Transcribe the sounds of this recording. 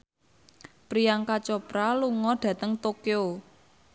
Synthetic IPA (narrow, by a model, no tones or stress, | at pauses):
pɾijaŋkat͡ʃɔpɾaluŋɔɖ̥ä̤t̪əŋt̪okeo